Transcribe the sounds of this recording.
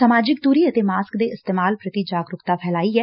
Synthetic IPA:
səmaːd͡ʒɪkt̪uːɾiːət̪eːmaːskd̪eːɪst̪eːmaːlpɾət̪id͡ʒaːɡɾʊkt̪aːpʰɛːlaːiːɦɛː

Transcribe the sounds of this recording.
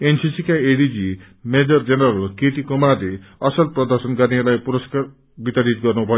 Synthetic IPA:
ensisikaeɽid͡zi | med͡zʌrd͡zenʌɾʌlkeʈikomad̪ʱeʌsʌlprʌd̪ʌrsʌnɡʌɾnielajpuɾʌskar | bit̪aɾit̪ɡʌrnubʱʌjo

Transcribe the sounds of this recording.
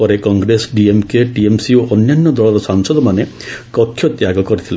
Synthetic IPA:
ɔɾekɔŋɡɾesɖiemkeʈiemsioʔɔnjanːɔd̪ɔɭɔɾɔsaŋsɔd̪ɔmane | kɔkʰːjɔt̪jaɡɔkɔɾit̪ʰile

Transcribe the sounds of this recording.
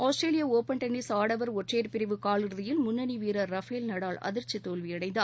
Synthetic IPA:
oːsʈɾeːlɪjɐoːpɐɳʈɐnːisaːɽɐʋɐɾɔʈreːɾpɪɾɪʋɯkaːɭɯɾɯðɐjɪlmʊnːɐniʋiːɾɐɾɐfeːlnɐɽaːlɐ̰ðɪɾt͡ʃːit̪ːoːlʋiɐɽɐɪnd̪ɐː

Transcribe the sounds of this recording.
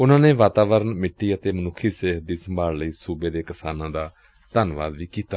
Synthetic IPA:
ʊnãːneːʋaːt̪aːʋəɾənmɪʈːiːət̪eːmənʊkʰːiːseːɦd̪iːsəmbʱaːlləiːsuːbeːd̪eːkɪsaːnãːd̪aː | t̪ənʋa̰ːd̪ʋiːkiːt̪a

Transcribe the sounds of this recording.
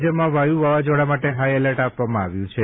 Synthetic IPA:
d͡ʒəmãʋajuʋaʋad͡ʒoɽamaʈeɦajɛləʈapʋamãːʋjũt͡ʃʰe

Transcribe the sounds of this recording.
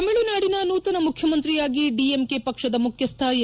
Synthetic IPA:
ɐmeɭunaːɽinɐnuːt̪ɐnɐmukʰjɐmɐnt̪ɾijaːɡiɖiemkepɐkʂɐd̪ɐmukʰjɐst̪ʰaːjɐ

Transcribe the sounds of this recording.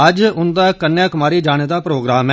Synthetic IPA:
əd͡ʒʊnd̪aːkənːjaːkəmaːɾiːd͡ʒaːɽ̃eːd̪aːpɾoːɡɾaːmɛː

